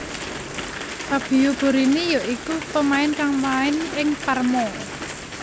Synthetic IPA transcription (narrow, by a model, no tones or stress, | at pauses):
sab̥i̤job̥o̤ɾinijɔʔikut̪omaɪnkaŋmaɪnɪŋparmɔ